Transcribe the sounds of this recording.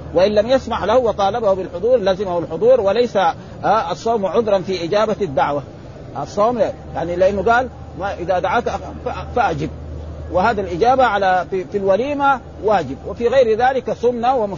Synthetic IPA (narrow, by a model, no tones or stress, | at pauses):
waʔɪnlamjasmaʕlahuwɑt̪ˤɑːlɑbahubɪlħʊd̪ˤuːɾˤlaːzɪmahalħʊd̪ˤuːɾwalajsa | ɑsˤːowmʕʊd̪ɾˤɑnfiʔɪd͡ʒaːbad̪ːaʕwa | ʔɑsˤːoːma | jaʕnilɪʔanːuɡaːl | maʔɪðad̪aʕaːkafaʔad͡ʒɪb̚wɪhaːd̪ilʔɪd͡ʒaːbaʕalaifilwaliːma | waːd͡ʒɪb̚wafiɣajɾðaːlɪkasʊnːawamʊ